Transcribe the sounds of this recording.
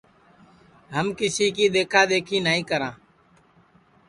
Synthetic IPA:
ɦəmkɪsiːkiːɗ̪eːkʰaːd̪eːkʰiːnəɦĩːkəɾãː

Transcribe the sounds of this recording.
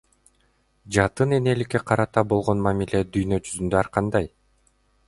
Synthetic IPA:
d͡ʒɑt̪ɯne̞nelike̞qʰɑɾɑt̪ɑbo̞lˠʁo̞nmamilʲe̞d̪yjnø̞d͡ʒyzynd̪øɑɾqɑnd̪ɑj

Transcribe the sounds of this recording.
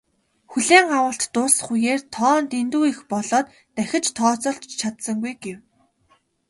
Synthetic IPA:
xuɮeːŋawəːɬt̪ːʊsχujeːrt̪ʰɔːnt̪ent̪uːixpɔɮɔːt̪ːæxʲɪ̆t͡ɕt̪ʰɔːt͡sɔːɬt͡ɕt͡ɕʰat̪sə̆ŋɡujɡew

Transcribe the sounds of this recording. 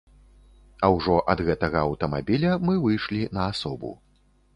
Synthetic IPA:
ɐwʐɔʔɐd̪ɣɛt̪ɐɣɐɐwt̪ɐmabʲilʲɐmɨvɨjʂlʲinɐasɔbṵ

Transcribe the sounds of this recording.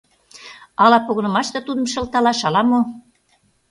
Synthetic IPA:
ɑlɑpoɣɤ̆nə̆mɑʃt̪ɤ̆t̪ud̪ə̆mʃə̆lt̪ɑlɑʃɑlɑmo

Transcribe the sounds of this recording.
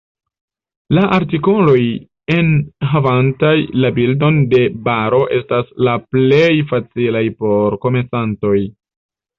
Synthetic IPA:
laʔaɾtiko̞lo̞j | e̞nɦavantajlabildo̞nde̞baɾo̞ʔe̞staslaple̞jfat͡silajpo̞ɾko̞mesanto̞j

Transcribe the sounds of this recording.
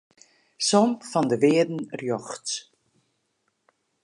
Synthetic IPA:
sɔmfɔndəʋɪədn̩rjɔxts

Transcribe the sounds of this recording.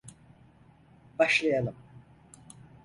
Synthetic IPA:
b̥aʃlˠajalˠɯm

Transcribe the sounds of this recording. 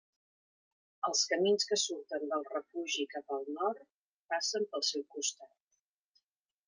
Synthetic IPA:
əlˠskəminskəsuɾt̪ənd̪əlˠrəfuʒikapəːlˠnɔrt̪ | pasəmpəlˠsɛwkust̪at̪̚

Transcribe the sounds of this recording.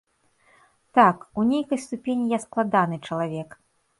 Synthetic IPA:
t̪akunʲejkɐjst̪upʲenʲijasklˠad̪anɨt͡ʂɐlˠavʲɛk

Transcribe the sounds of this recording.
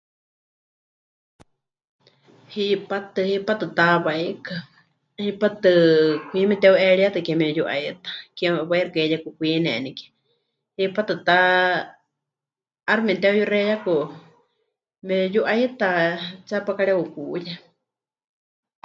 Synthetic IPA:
hipat̪ɨhipat̪ɨt̪aβajka | hipat̪ɨkʷimɛt̪ɛuʔɛɺiat̪ɨkɛmɛjuʔa̰it̪ḁkɛβajrakɛjakukʷiːnɛ̰nikɛ̥ | hipat̪ɨt̪a | rmɛt̪ɛujurɛjaku | mɛjuʔajt̪at͡sapakaɺɛukuʔja

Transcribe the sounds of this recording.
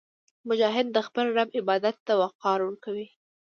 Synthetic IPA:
mʊd͡ʒɑɦɪd̪̚ːəxpəlɖamɪbɑd̪at̪ːawaqɑɾwəɾkawi

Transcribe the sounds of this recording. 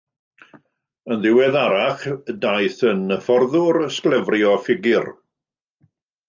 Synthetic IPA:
ənðɪwɛðaɾaχdajθənəfɔrðʊɾəsklˠɛvrjɔfɪɡɪr

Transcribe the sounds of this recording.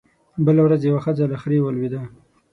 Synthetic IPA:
bəlawɾazjawaxəzalaxɾewəlwid̪a

